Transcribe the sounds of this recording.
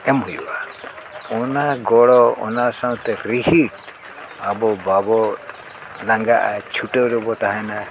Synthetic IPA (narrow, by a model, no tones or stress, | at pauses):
ɛmɦujba | ɔnaɡɔɽɔɔ̰nasaw̃t̪ɛkɾiɦiʈ | abɔbabɔ | laŋɡaʔa̰t͡ʃʰuʈɔwɾɔbɔt̪aɦɛna